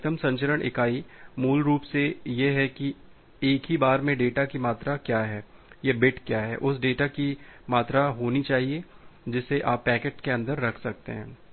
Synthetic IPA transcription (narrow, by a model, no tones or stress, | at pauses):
t̪ʰəmsɐ̃ɲt͡ʃəɾəɽɪ̰kaːimuːlɾuːpsejeɦɛki | eːkɦibaːɾmẽɖeːʈakimaːt̪ɾakjaːɦɛːjebɪʈkjaːɦɛ̰ːʔʊsɖeːʈakimaːt̪ɾaɦoːnit͡ʃaːɦied͡ʒɪsːeʔaːpːɛːkeːʈkeɐ̃nd̪əɾːɐkʰsɐk̚t̪ḛɦɛ̰̃ː